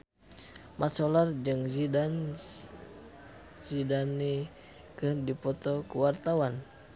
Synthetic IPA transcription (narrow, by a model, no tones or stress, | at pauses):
mʔasɔlard͡ʒɨŋzidan | zidani | kɨrdipɔt̪ɔkuwart̪awan